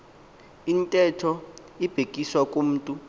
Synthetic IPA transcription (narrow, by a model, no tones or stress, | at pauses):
intʼɛtʰɔ | ib̥ʱekʼiswakʼum̩ːtʼu